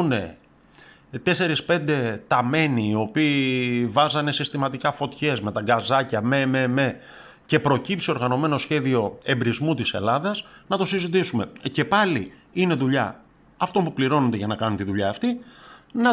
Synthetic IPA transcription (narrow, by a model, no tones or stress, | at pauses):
ne̞ | t̪e̞se̞ɾispe̞nd̪e̞t̪ɐme̞niːo̞piːvɐzɐne̞sist̪imɐt̪ikɐfo̞t̪çe̞zme̞t̪ɐɡɐzɐcɐme̞meme | ce̞pɾo̞cipsio̞ɾɣɐno̞me̞no̞sçe̞ðio̞e̞mbɾizmut̪ise̞̰lɐðɐznɐt̪o̞sizit̪̬isume̞ce̞pɐli | ine̞ðuʎɐ̰ | ɐft̪o̞mpupliɾo̞nond̪eʝɐnɐkɐnunt̪iðuʎɐːft̪inɐ